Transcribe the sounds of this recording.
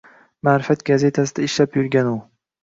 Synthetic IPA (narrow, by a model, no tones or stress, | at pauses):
maːɾɪfat̪ɡʲaze̞t̪ʰasɪd̪aɪʃlapjʊɾɡʲanʊ